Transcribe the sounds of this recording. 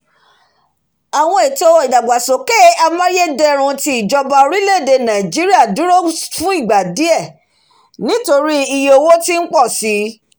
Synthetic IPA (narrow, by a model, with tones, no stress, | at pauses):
a˨w̃ɔ̃˧e˨to˧i˨da˨ɡ͡ba˨sõ˨ke˦a˧mã˦je˦dɛ˧ɾ̃ũ˧ti˧i˨d͡ʒɔ˧ba˧o˧ɾi˦le˦˨de˧nã˨d͡ʒi˦ɾi˦a˦˨du˨˦ɾo˦fũ˦i˦˨ɡ͡ba˨di˨˦ɛ˦˨ | nĩ˨˦to˧ɾi˦i˧jo˧wo˦ti˦n̩˦k͡pɔ˦˨si˨˦